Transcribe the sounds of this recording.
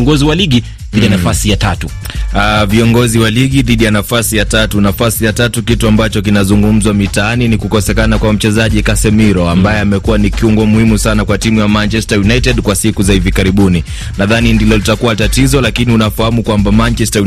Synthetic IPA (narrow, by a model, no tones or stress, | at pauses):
ŋɡɔziwaliɠi | ðiianafasijatatu | aviɔŋɡɔziwaliɠiðiɗijanafasijatatunafasijatatukituambat͡ʃɔkinazuŋɡum̩zwamitaaninikukɔsɛkanakwam̩t͡ʃɛzaʄikasɛmiɾɔambajɛamɛkuwanikiuŋɡɔmuhimusanakwatimujamant͡ʃɛstajunajtɛɗkwasikuzahivikaɾiɓuni | naðanindilɔlitakuwatatizɔlakiniunafahamukwambamant͡ʃɛstau